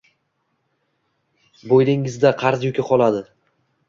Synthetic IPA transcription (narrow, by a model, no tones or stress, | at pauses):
bojd̪ɪŋɪzd̪aqʰɑɾzjʊkʲʰaqʰɒlˠad̪ɪ